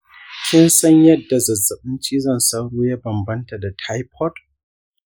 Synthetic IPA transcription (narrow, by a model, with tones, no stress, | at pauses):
kʲʰɪ˦nsɐ˦ɲjɐ˦dːa˨zɐ˨zːɐ˨ɓɪ˦nt͡ʃiː˦zɐ˦˨nsa˦wɽuː˦ja˦bɐ˨mbɐ˦nta˨da˨tʰa˦jpʰɔ˦t